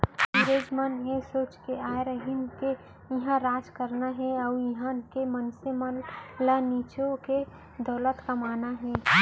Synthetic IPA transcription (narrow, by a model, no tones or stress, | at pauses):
ɾed͡ʒmənesoːt͡ʃkeaːeɾəɦinke | jiɦãɾaːd͡ʒkəɾnaɦɛɐjiɦãkemənsemənləniːt͡ʃõke | d̪ɔːlət̪kamaːnaɦɛ̃ː